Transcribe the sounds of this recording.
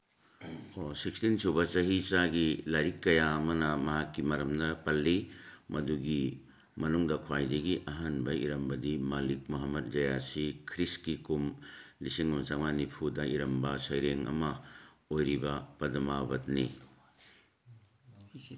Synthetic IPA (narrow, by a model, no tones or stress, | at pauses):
osikstinsubɐt͡ʃɐɦit͡ʃaɡilajɾikːɐjaɐmɐnɐmɐɦakːimɐɾɐmnɐpɐlːimɐduɡi | mɐnuŋdɐkʰwajdɐɡiʔɐɦɐnbɐḭɾɐmbɐdimalik̚muɦamːɐt̚d͡ʒɐjasikʰɾiskikumlisiŋɐmt͡ʃaŋmanipʰudɐiɾɐmbɐsɐjɾeŋɐ̰mɐ | ojɾibɐpɐdɐmabɐt̚ni